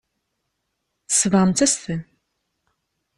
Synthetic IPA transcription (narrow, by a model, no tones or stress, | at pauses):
θə̥səvʁəmt͡s̪æsθən